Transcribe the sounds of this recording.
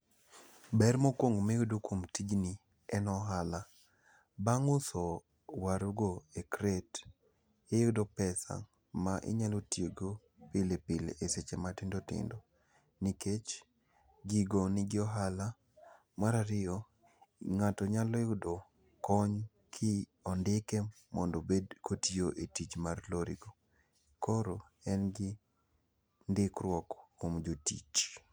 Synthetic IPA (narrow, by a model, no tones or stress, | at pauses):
bɛrmokwoŋɡomejʊdokomtid͡ʒni | ɛnɔɦala | baŋʊsɔ | waɾuɡoekɾet | ejʊdopɛsa̰ŋ | maʔɪ̰ɲalotjeɡo | pɪlepɪleʔeset͡ʃematɪndotɪ̰ndo | niket͡ʃ | ɡɪɡonɪɡɪɔɦala | maɾaɾɪɔ | ŋatɔɲalɔeʊdɔ | kɔɲ | kʰɪ | ɔndɪke | mɔ̰ndɔbedkotioʔetit͡ʃmarloɾḭɡo | koɾo | ɛnɡɪ | ndɪkɾwɔkkomd͡ʒotḭt͡ʃ